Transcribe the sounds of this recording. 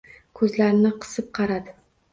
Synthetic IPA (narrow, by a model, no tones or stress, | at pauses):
kʰɵzlaɾɪnɪqʰɨ̥sɪp̚qʰɑɾad̪ɪ